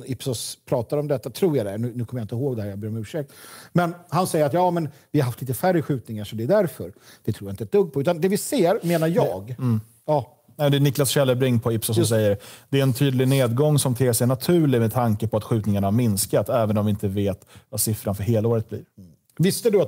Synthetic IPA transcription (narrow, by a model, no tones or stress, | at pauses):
ɪpsɔspʰɾɑːt̪aɾɔmd̪ɛt̪ːat̪ʰɾuːjad̪ɛænʉ̟ːnʉ̟ːkʰɔməjaɪnt̪əɦoːɡd̪ɛhæːɾjabœːɾmɛʉːʂɛk̚t̪mɛnhansɛjːəɾat̪jɑːmɛnvɪhaɾɦaft̪liːt̪əfæɾəɧʉ̟ːt̪nɪŋaʂɔd̪ɛːd̪æɾfœɾd̪̥ɛt̪ʰuːjaɪnt̪əɛd̥̪ɵɡpʰɔʉ̟ːt̪and̪ɛvɪseːɾmeːnaɾjɑːɡ | jɑː | ɛmd̪ɛnɪklasɕɛlːəɾbɾɪŋːpʰɔɪpsɔsɔs̬ɛjːəɾd̪̥ɛæɾɛnt̪ʰyːd̪lɪɡneːd̪ɡɔŋːsɔmt̪ʰeːsɛjnat̪ʰʉ̟ːɭɪmɛt̪ʰaŋkəpʰɔat̪ɧʉ̟ːt̪nɪŋaɳahaɾmɪnskat̪ɛːvənɔmvɪɪnt̪əveːt̪vasɪfɾanfœɾɦeːlaoːɾət̪̚blḭːɾ | vɪst̪əd̪ɵat̪